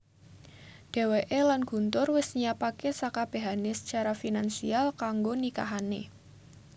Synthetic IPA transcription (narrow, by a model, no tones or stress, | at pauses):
ɖ̥e̤weʔelanɡ̥ṳnt̪ʊrwɪsɲiapakesakab̥e̤ɦanesə̥t͡ʃaɾafinansialkaŋɡonika̰ɦane